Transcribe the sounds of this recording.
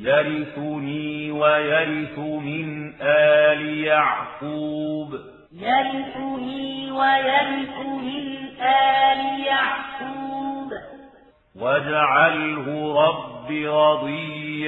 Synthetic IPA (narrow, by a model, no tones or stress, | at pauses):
jaɾɪθʊniːwajaɾɪθʊmɪnʔaːlɪjaʕkuːb | jaɾɪθʊniːwajaɾɪθʊmɪnʔaːlɪjaʕkuːb | wad͡ʒaʕalhʊɾˤɑbːiɾˤɑd̪ˤiːa